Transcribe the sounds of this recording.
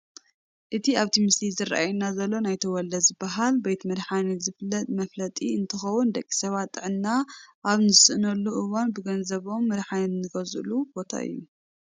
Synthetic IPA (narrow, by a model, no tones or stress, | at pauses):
ʔɨt̪ʰiaβt̪ʰimɨst̪ʰizɨɾa̰ʔajunːazɐlːo̞najt̪ʰɐwɔlːɐzɨbːaɦalbejt̪mɨɾħanizɨflːɐt̪ʼmɐflɐt̪ʼiɨnt̪ʰɐxɐwund̪ɐkʼːi̥sɐβat̪ʼːɨʕɨnːaʔaβnɨzɨsɨʔnɐlːuʔɨwanbɨɡɐnzɐβo̞mːɨɾħanɨnɨɡɐzʔlubo̞t̪ʰa̰ʔɨ̰jːu